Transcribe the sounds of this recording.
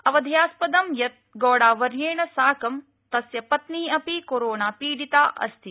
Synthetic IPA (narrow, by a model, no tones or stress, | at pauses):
ɐʋɐd̪ʱjaːspɐd̪ɐmjɐt̪̚ɡɔːɽaːʋɐɾjeːɳɐsaːkɐm | t̪ɐsjɐpɐt̪niːɐpikoɾoːɳaːpiːɽit̪aːʔɐ̰st̪ʰi